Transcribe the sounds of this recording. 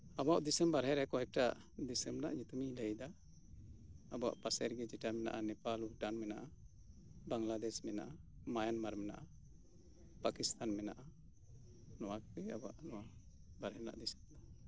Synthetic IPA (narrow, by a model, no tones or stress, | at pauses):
abaʔd̪isɛmbaɾɦɛɾɛkɔhɛk̚ʈaʔ | d̪ɛsɛmna̰ʔɲut̪umiləjd̪a | ba̰ʔpasɛɾɡɛd͡ʒɛʈamɛna̰ʔanɛpaluuʈanmɛnaʔa | baŋlad̪ɛsmɛnaʔamajanmaɾmɛna̰ʔa | pakist̪ʰanmɛna̰ʔa | nɔwakɛabaʔnɔwa | baɾɦɛna̰ʔd̪isɛ̥md̪ɔ